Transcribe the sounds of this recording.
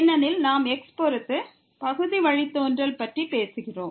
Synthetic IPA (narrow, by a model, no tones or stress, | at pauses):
nːɐnɪlnaːmɛkspɔɾɯt̪ːɯ | pɐɣɯðiʋɐɻɪt̪ːoːndrɐlpɐʈripeːsɯɣɪroːm